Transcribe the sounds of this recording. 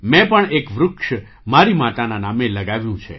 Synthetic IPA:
mɛ̃pəɳekʋɾʊkʃ | maɾimat̪ananameləɡaʋjũt͡ʃʰe

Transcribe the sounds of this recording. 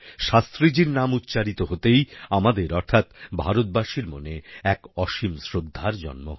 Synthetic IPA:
ʃast̪ɾid͡ʑiɾnamut̪ːɕaɾit̪oɦot̪ejamad̪eɾɔɾt̪ʰat̪bʱaɾot̪̚baʃiɾmoneɛkɔʃimsɾod̪ʱːaɾd͡ʑɔ̰nmo̰

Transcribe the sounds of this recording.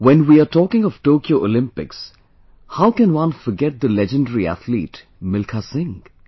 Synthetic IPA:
wɛ̃nwiːaʈɔːkɪ̃ŋɔʋ̥ʈoːkioːʔolɪ̃mpɪks | haʊkɛ̃nwʌ̃nfɔɾɡɛʈ̚d̪əlɛd͡ʒə̃nɖəɾiæ̰t̪ʰlḭːʈ | mɪlkʰasɪ̃ŋ

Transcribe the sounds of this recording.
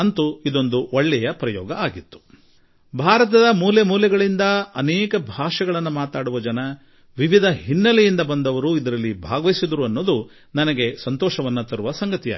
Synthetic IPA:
ɐnt̪uid̪o̞nd̪uoɭːɛjɐpɾɐjɔ̰ːɡɐaːɡit̪ːu̥ | bʱaːɾɐt̪ɐd̪ɐmuːljemuːljɐɡɐɭind̪ɐɐnɛːkɐbʱaːʂɐɡɐɭɐnːumaːt̪aːɽuʋɐd͡ʒɐnɐ | ʋiʋid̪ʱɐɦinːɐlɛjind̪ɐbɐnd̪ɐʋɐɾuid̪ɐɾɐlːibʱaːɡɐʋɐisid̪ɐɾuɐnːo̞ːd̪u | nɐnɐɡe̞sɐnt̪ɔːʃɐʋɐnːɐt̪ɐɾuʋɐsɐŋɡɐt̪ija̰

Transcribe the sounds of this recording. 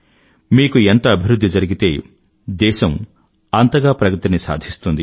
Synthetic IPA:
miːkuent̪ɐːbʱiɾud̪ʱːid͡ʒɐɾiɡit̪eː | d̪ɛːʃɐm | ɐnt̪ɐɡaːpɾɐkɾut̪inisa̰ːd̪ʱist̪und̪i

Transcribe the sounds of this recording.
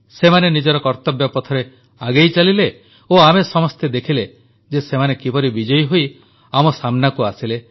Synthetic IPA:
semanenid͡ʒɔɾɔkɔɾt̪ɔbjɔpɔt̪ʰɔɾe | aɡejt͡ʃalile | oamesɔmɔst̪ʰed̪ekʰile | d͡ʒesemanekibɔɾibid͡ʒɔjɦoj | amɔsamnakuasile

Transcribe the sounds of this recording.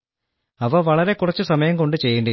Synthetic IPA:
ɐʋɐʋɐɭɐɾe̞kurɐt͡ɕːɨsɐmɐjɐmko̞ɳɖɨt͡ɕe̞jːuɳɖɐ

